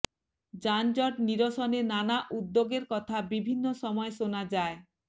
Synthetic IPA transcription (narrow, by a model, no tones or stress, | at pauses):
d͡ʑand͡ʑɔʈniɾoʃɔnenanaʔud̪ːoɡeɾkɔt̪ʰabibʱinːoʃɔmɔeʃonad͡ʑae